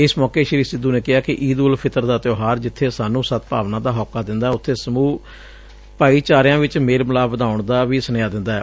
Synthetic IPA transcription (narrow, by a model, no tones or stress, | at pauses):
ɪsmɔːkeːʃəɾiːsɪd̪uːneːkɪɦaːkɪʔiːd̪ulpʰɪt̪əɾd̪aːt̪jɔːɦaːɾd͡ʒɪt̪ʰːeːsaːnũːsət̪̚paːʋnãːd̪aːɦɔːkːaːd̪ɪnd̪aːɛʊt̪ʰːeːsəmũː | paːiːt͡ʃaːɾjãːʋɪt͡ʃmeːlməlaːəd̪aːʊɳd̪aːʋiːsənjaːd̪ɪnd̪aːɛː